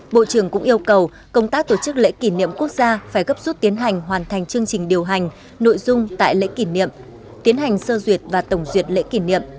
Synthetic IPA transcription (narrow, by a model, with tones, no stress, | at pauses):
ɓo̰˧˨t͡ɕɨ˧˩əŋkʊ̰˧˥ŋ͡mʔi˧əwkə˨˩w | kə˧wŋ͡mt̪aː˦˥k̚t̪o˧˩t͡ɕɨ˦˥k̚lḛ˧˥ki˧˩nḭ˧˨əmku˦˥ək̚zaː˧faː˧˩jɣə˦˥p̚zu˦˥t̚t̪i˨˦ənɦa˨˩jŋ̟ɦwaː˨˩nt̪ʰa˨˩jŋ̟t͡ɕɨ˧əŋt͡ɕï˨˩ŋ̟ɗi˨˩əwɦa˨˩jŋ̟ | no̰˧˨jzʊ˧ŋ͡mt̪a̰ː˧˨jlḛ˧˥ki˧˩nḭ˧˨əm | t̪i˨˦ənɦa˨˩jŋ̟səː˧zwi˨˩ət̚vaː˨˩t̪ə˧˩wŋ͡mzwi˨˩ət̚lḛ˧˥ki˧˩nḭ˧˨əm